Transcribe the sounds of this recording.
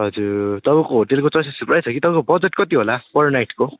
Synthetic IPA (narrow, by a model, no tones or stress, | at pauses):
ɦʌd͡zuɾt̪ʌbʌ̃koɦoʈelkot͡sʌsisuprajt͡sʰʌkit̪ʌbʌ̃kobʌd͡zeʈkʌt̪iɦolapʌɾnajʈko